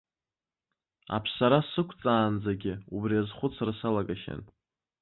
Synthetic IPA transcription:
a̰pʰsaɾasɨkʷʰt͡sʼaːnd͡zaɡʲɪubriazχʷʊt͡sʰrsalaɡaʃa̰n

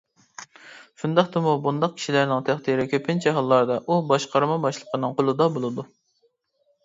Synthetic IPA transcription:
ʃund̪ɑχt̪ɨmubund̪ɑq̚kʲi̥ʃilæɾnɪŋt̪ʰæχt̪iɾɪkʲʰøpʰɪnt͡ʃʰɛɦɑlˠːɑɾd̪ɑʔubɑʃqɑɾmɑbɑʃlˠəqʰənɨŋqʰolˠɨd̪ɑbolˠɨd̪u

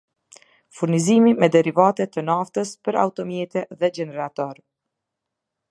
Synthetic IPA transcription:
fuɾnizimimɛd̪ɛɾivat̪ɛt̪ənaft̪əspəɾa̰ut̪ɔmjɛt̪ɛðɛd͡ʒɛnɛɾat̪ɔɾ

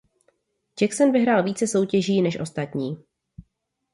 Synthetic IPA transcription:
d͡ʒɛksonvɪɦɾaːlviːt͡sɛso̞wcɛʒiːnɛʃʔo̞st̪at̪ɲiː

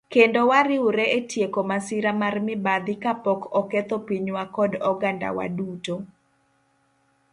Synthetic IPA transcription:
kendowaɾɪʊɾɛetjekomasɪɾamarmɪbad̪ɪkapɔkɔkɛt̪opiɲwakɔdɔɡanda̰wa̰duto

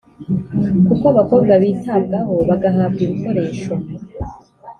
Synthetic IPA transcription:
kukoβako̞ːbɡaβiːtaːbɡaɦo̞βaɡaɦaːbɡiɾuko̞ɾe̞ːʃo

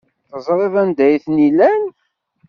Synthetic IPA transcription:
θəzˤɾˤeðˤænd̪æjθnilæn

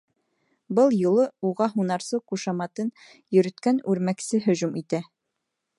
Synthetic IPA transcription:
bɤlˠjulˠɤuʁɑɦunɑɾsɤquʃɑmɑt̪ɤn | jɵ̆ɾɵ̆t̪kænʉɾmæksɘɦɵ̆ʑumit̪æ

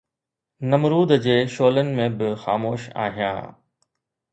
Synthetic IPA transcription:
nɐmɾuːd̪d͡ʑeːʃoːlənɪ̆mẽbɪxa̰ːmoːʃa̰ːɦijã̰ː

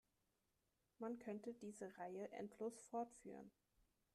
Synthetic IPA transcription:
mankʰœntədiːzəʁaɪəʔɛ̰ntʰloːsfɔɐtfy̰ːʁ̞ən

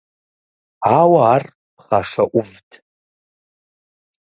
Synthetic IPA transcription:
aːwɐar | pχaʂɐʔʷʊvtʰ

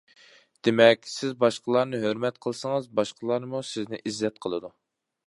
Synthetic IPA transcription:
d̪̥emɛkʲsɪzbɑʃqəlˠɑɾnɨɦøɾmɛt̪qʰəlˠsəŋɨzbɑʃqʰəlˠɑɾnɨmusɪznɪʔizːɛt̪̚qʰəlˠɨd̪u

